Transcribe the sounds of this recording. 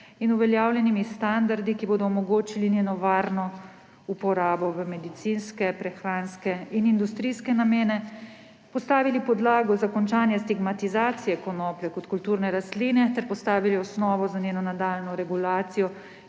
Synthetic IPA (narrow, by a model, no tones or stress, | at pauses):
inuʋɛljaːwlʲjɛnimist̪and̪aɾd̪ikiboːd̪ɔːmɔɡoːt͡ʃilineːnɔʋaːɾnɔ | upɔɾaːbɔʋəmɛd̪it̪sinskɛpɾɛxɾaːnskɛinind̪ust̪ɾiːskɛnameːnɛ | pɔst̪aːʋilipɔd̪laːɡɔzakɔnt͡ʃaːnjɛst̪iɡmat̪izaːt̪sijɛkɔnɔplɛkɔt̪kult̪uːɾnɛɾast̪liːnɛt̪ɛɾpɔst̪aːʋiliɔsnɔːʋɔzanʲeːnɔnad̪aːlnɔɾɛɡulaːt̪sijɔ